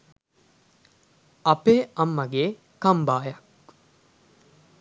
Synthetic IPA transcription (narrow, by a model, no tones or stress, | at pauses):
ɐpeːɐmːɐɡeː | kɐmbaːjɐk̚